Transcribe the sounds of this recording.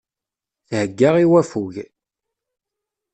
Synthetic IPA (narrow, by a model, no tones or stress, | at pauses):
θhəɡːaʁiwæfuʝ